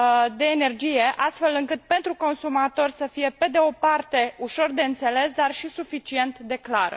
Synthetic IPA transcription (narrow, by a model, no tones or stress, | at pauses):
d̪e̞ːne̞rd͡ʒije̞ʔast̪fe̞lɨŋkɨt̪̚pe̞nt̪ɾuko̞nsumat̪o̞rʲsəfije̞pe̞d̪e̞o̞part̪e̞uʃo̞rd̪e̞ɨnt̪se̞le̞s̬d̪arʃisufit͡ʃie̞nt̪d̪e̞klaɾə̰